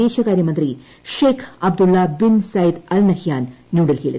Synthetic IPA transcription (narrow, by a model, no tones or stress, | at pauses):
eːʃɐkaːɾjɐmɐnt̪ɾi | ʃeːkʰɐbd̪ulːaːbinsajd̪ɐlnɐhjaːnːjuːɽɐlɦḛːlḭt̪